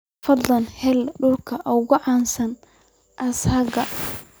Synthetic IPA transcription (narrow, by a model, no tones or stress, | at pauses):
fɐd̪lɐnhɛlɖʊlkʰɐʔɔɣʊʕɑːnsɐn | ʔɐshɐɡɐ